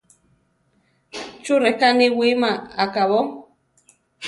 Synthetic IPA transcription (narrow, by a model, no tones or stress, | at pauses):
t͡ʃuɾɛkaniwimaakaβɔ